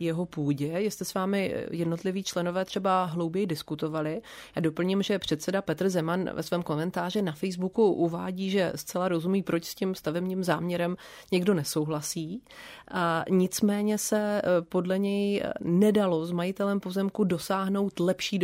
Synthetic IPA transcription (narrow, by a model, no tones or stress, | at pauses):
jɛɦo̞puːɟɛjɪst̪ɛsvaːmɪjɛdnot̪lɪviːt͡ʃlɛno̞vɛːt̪r̥ɛbaɦlowbjɛjdɪskut̪o̞valɪjado̞pl̩ɲɪmʒɛpr̝̥ɛt̪sɛdapɛt̪rzɛmanvɛ̰svɛːmko̞mɛnt̪aːr̝ɪnafɛjzbukuʔuvaːɟiːʒɛ̰st͡sɛlaɾo̞zumiːpɾot͡ʃscimst̪avɛbniːmzaːmɲɛɾɛm | ɲɛɡdo̞nɛso̞wɦlasiːʔaɲɪt͡smɛːɲɛsɛpo̞dlɛɲɛjnɛdalo̞zmajɪt̪ɛlɛmpo̞zɛmkudo̞saːɦno̞wt̪lɛpʃiː